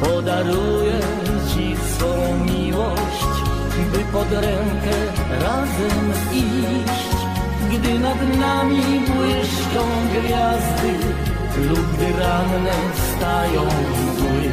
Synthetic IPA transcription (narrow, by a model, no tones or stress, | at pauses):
pɔd̪aɾujɛ | t͡ɕi | sɔ̃w̃mʲiwɔ | ɕt͡ɕ | bɪpɔd̪ɾɛŋkɛ | ɾazɛm | i | ɕt͡ɕ | ɡd̪ɪnad̪namʲibwɪɕkɔ̃w̃ɡvʲjazd̪ɘ | lubɘɾannɛ | fst̪ajɔ̃w̃vizwɪ